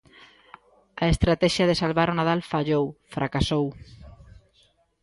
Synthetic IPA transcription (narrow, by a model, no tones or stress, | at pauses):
aest̪ɾat̪ɛʃjaðesalβaɾonað̞alfaʎowfɾʔakasow